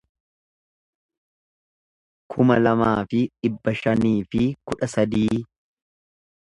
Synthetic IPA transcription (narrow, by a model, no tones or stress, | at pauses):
kʰʊmɐlɐmaːfɪᶑɪbːɐʃɐniːfɪkʊᶑɐsɐd̪iː